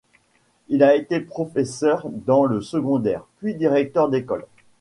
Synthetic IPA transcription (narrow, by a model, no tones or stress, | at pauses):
ilaet̪epχɔfesœʁd̪ɑ̃ləsəɡɔ̃d̪ɛʁpɥid̪iʁɛk̚t̪œʁd̪ekɔl